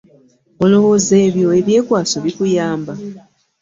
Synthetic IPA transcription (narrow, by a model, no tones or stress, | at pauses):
o̞lo̞woːze̞ːβjo̞e̞βje̞ːkwaːso̞βikujaːmba